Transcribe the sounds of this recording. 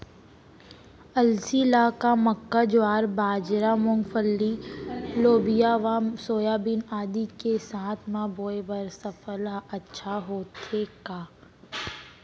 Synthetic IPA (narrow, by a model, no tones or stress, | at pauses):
ɐlsilaːkaməkːad͡ʒaːɾbaːd͡ʒɾamʊ̃ŋɡfʰəlːiloːbijaʋamsoːjaːbɪnaːd̪ikesaːt̪ʰmãboːebəɾsəfəlɐtːʃʰaɦoːt̪ekaː